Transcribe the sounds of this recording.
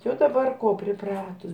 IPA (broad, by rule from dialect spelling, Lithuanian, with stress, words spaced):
ˈjɛʊ dɐˈbɐr ˈkoː pʲrʲɪˈprɑːtʊs